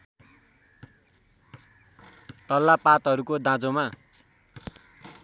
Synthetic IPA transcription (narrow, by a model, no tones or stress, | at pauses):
t̪ʌlːapat̪ɦʌɾukod̪ãd͡zoma